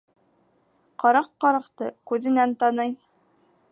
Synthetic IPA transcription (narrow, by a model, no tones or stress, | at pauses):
qɑɾɑqːɑɾɑqt̪ɤkʉðɘ̆nænt̪ɑnɤj